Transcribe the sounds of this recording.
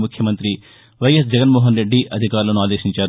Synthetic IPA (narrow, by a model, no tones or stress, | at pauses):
mukʰjɐmɐnt̪ɾi | ʋɐjɐs̬d͡ʒɛɡɐnmoːɦɐnɾe̞ɖːiʔɐd̪ʱikaːɾulɐnuaːd̪eːʃiɲt͡ʃaːɾ